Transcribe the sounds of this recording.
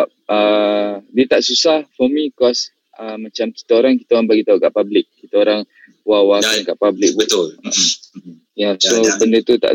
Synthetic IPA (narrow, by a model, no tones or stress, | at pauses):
ap̚ədiət̪aʔsusahfɔmĩkɔs | əmat͡ʃamki̥t̪aoɾaŋki̥t̪aoɾaŋbaɡit̪auʔkaʔpablɪk̚ːit̪aoɾaŋ | wawakankaʔpablɪk̚bt̪lə | jasobəndət̪ut̪a̰ʔ